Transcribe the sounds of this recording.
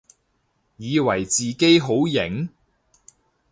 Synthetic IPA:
jiː˨˧wɐ˨˩jt͡siː˨ke˥jɦo˨˥wjɪ˨˩ŋ

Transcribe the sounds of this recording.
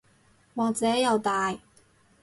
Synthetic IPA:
wɔː˨˧k̚t͡sɛː˨˥jɐ˨˧wt̪aː˨j

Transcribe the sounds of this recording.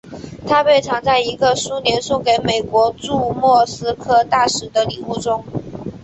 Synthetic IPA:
t̪ʰa˥pe˥˩ɪʈ͡ʂʰɑ˧˥ŋt͡sa˥˩ɪi˧˥ɡə˧su˥njɛ˧˥nsu˥˩ke˧˥ɪme˨˩ɪkwɔ˧˥ʈ͡ʂu˥˧mwɔ˥˩sɹ̩˥kʰɤ˥˧t̪a˥˩ʂɻ̩˧˥d̪ə˨li˨˩u˥˩ʈ͡ʂʊ˥ŋ

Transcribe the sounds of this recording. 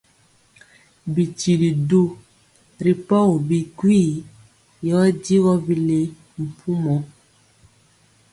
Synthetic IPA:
bi˨ti˨li˨do˦ | ɾi˨pɔ˦wo˨bi˨kwi˦˨ | jɔ˨˦di˦ɣɔ˦bi˨le˨ | m̩˨pʰu˦mɔ˨˦

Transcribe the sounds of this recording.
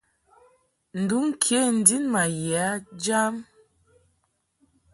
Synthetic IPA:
n̩˨du˦ŋ˦kʰje˦˨n̩˨di˦nma˨ja˨˦d͡ʒa˦m

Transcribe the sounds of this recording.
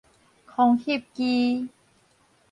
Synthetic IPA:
kʰɔ˧ŋhi˥˨p̚ki˧

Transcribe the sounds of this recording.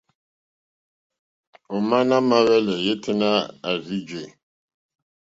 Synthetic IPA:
o˨ma˦na˦ma˦ɣɛ˦lɛ˨je˦tʰi˦na˦a˨zi˦d͡ʒe˨

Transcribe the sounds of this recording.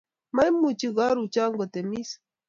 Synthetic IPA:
ma˦jmu˨t͡ʃi˦ɣa˦ɾu˨t͡ʃa˦ŋɡo˨t̪e˨mi˦s

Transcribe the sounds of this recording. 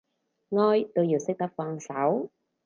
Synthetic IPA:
ŋɔː˧jt̪o˧wjiː˨˩wsɪ˥k̚t̪ɐ˥p̚faː˧ŋsɐ˨˥w

